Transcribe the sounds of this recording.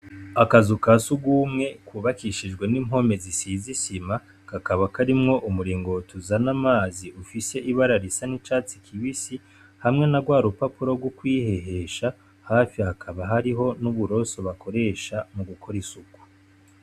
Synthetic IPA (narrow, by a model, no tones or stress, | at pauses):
akazukasuɡuːmŋe̞kuβakiʃid͡ʒɡwe̞nim̥ɦo̞me̞zisiːzisima | kakaβakaɾimŋo̞ʔumuɾiːŋɡo̞tuzanamaːziufise̞ʔiβaɾaɾisanit͡ʃaːt͡sikʰiβisi | hamŋe̞naɡwaːɾupapuɾo̞bɡwukwiːhe̞ɦe̞ʃa | haːfihakʰaβaɦaɾiɦo̞nuβuɾo̞so̞βakʰo̞ɾe̞ʃamuɡukʰo̞ɾisuku̥